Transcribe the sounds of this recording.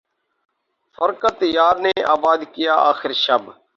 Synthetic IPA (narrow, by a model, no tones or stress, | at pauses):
fəɾkət̪jaːɾneːaːbaːd̪kɪjaːʔaːxɪɾʃəb